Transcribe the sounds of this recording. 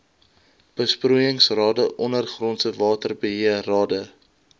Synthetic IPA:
b̥əspruəjəŋsrɑːdəʔɔnərχrɔntsəvɑːtərbəɦiərɑːdə

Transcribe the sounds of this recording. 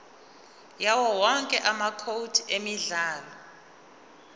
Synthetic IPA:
jawɔwɔŋkʼɛʔamakʰowdʰemiɮaːlɔ

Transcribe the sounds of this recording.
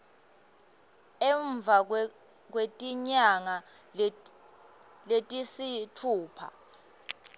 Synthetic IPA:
ɛɱb̪vʱa | k̬wetʼiɲaŋa | letʼisitʰuːpʰa̰

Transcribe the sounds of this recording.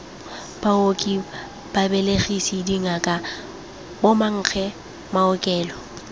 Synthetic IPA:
b̥aokʼɪ | b̥abɛleɣisidiŋakʼa | bomaŋ̩ːk͡xʰɛ | maʊkʼɛːlɔ

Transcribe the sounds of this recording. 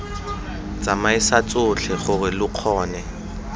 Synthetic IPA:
t͡sʼamaɪsat͡sʼʊt͡ɬʰɛχʊrɪlʊq͡χʰɔːnɛ

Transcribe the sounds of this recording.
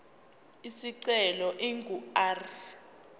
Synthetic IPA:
isiǀɛlɔʔiŋɡʱuar

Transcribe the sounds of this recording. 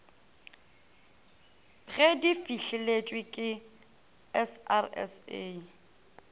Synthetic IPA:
ɣɛdifiɬɪlet͡ʃʼwɪkʼɪ | ɛsa̰rɛ̰se

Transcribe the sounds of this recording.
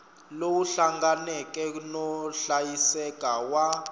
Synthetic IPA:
lowuɬaŋɡanɛkʼɛnɔɬajisɛkʼawa

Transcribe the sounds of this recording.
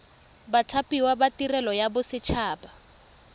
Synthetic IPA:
batʰapʼiwabatirɛlɔjabʊsɪt͡ʃʰaːba

